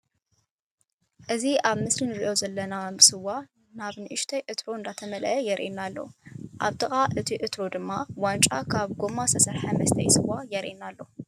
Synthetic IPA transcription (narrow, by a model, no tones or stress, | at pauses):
ʔɨziaβmɨslinɨɾiʔo̞zɐlːɐnasɨwa | naβnɨʔɨʃt̪ʰɐjʔɨt̪ʰɾoɨnd̪at̪ʰɐmɐlʔɐjɛɾʔḭnalːo̞̰ʔa̰βt̪ʰɨxʼaʔɨt̪ʰiʔɨt̪ɾod̪ɨmːawant͡ʃʼakʰaβɡomasʰɐsɐɾħamɐst̪ʰɐjsɨwajɛɾʔinalːo̞